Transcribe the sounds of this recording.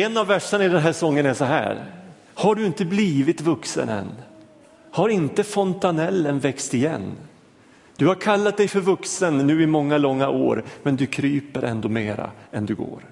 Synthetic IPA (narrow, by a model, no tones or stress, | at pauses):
ɛnːavːæʂːanaɪd̪ɛnɦæːʂɔŋːənæʂɔɦæ̰ːɾ | haɖɵɪnt̪əbliːvɪt̪vɵksə̰nɛ̰nː | haɾɪnt̪əfɔnt̪anɛlːənvɛkst̪ɪjɛ̰nː | d̪̥ɵhaɾkʰalːat̪̚d̪ɛjfœɾvɵksənːʉ̟ːɪmɔŋːalɔŋːaʔo̰ːɾmɛnd̪ɵkʰɾyːpəɾʔɛ̰nd̪oːmeːɾa̰ɛnd̪ɵɡo̰ːɾ